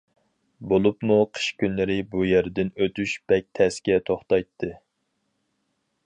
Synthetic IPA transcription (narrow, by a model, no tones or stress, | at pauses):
bolˠupmuqʰə̥ʃkʲynlɪɾɪbujeɾd̪ɪnøt̪yʃb̥ɛk̚ʲt̪ʰɛskʲɛt̪ʰoχt̪ɑjt̪ʰːɨ